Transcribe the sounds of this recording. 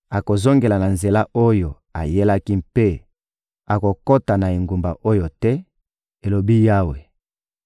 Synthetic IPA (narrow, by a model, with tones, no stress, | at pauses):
a˨ko˨zo˦ŋɡe˨la˨na˨nze˨la˦o˦jo˨ | a˨je˦la˦ki˦mpe˦ | a˨ko˨ko˦ta˨na˨e˨ŋɡu˨mba˨ʔo˦jo˨tɛ˦ | e˨lo˨bi˦ja˦we˨